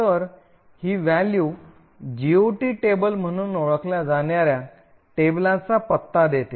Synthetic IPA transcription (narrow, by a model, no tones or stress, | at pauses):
t̪əɾ | hiːʋæljuː | d͡ʑioʈiʈebəlm̤əɽ̃uːnoɭəkljad͡zaɳjaɾja | ʈeblãt͡sapət̪ːad̪et̪e